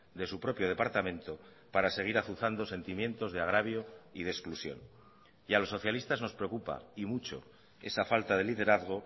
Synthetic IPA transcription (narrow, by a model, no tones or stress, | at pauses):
d̪e̞supɾo̞pjo̞ðe̞paɾt̪amẽ̞nt̪o̞ | paɾase̞ɣ̞iɾaθuθand̪o̞se̞nt̪imjẽ̞nt̪o̞zðe̞aɣ̞ɾaβjo̞iðesklusjo̞̰n | ialo̞sːo̞θjalist̪azno̞spɾeo̞kupa̰imut͡ʃo̞̰ | e̞safalt̪aðe̞liðe̞ɾaðɣ̞o̞